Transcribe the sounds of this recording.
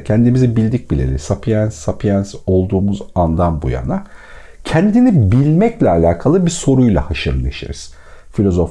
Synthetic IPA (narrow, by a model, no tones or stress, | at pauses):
cʰɛnd̪imizibilʲd̪ic̚bilʲḛlʲḭsapʰijænsːapʰjanso̞lˠd̪uːmuzand̪anbṵja̰na | cʰɛnd̪inibilʲmɛclʲɛalʲaːkʰalˠɯbiso̞ɾujlˠa̰haʃɯɾeʃḛɾiz̥ | filʲo̞zof